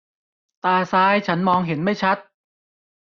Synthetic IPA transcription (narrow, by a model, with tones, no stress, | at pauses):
t̪aː˧˩saː˧˥jt͡ɕʰa˦˥nmɔː˧ŋɦe˩˦nma˥˩jt͡ɕʰa˦˥t̪̚